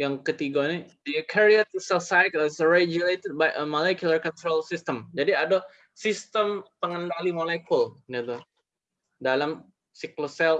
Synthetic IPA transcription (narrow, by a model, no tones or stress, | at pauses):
jaŋkət̪iɡanidəkʰɛɹiat̪̚sɛsajklɪsreɡjulet̪əd̚bajʔəmolɛkjulərkɔnt̪ɾolsɪst̪əmd͡ʒadiada | sist̪əmpəŋəndalimolekʰulnɛt̪u | dalam | siklosɛl